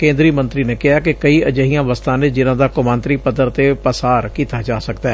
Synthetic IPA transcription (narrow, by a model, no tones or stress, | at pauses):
kẽːnd̪ɾiːmənt̪ɾiːneːkɪɦaːkɪkəiːʔəd͡ʒəɦijãːʋəst̪ʰãːnẽːd͡ʒɪnãːd̪aːkʊmãːnt̪ɾiːpəd̪əɾt̪eːpəsaːɾkiːt̪aːd͡ʒaːsəkd̪aɛː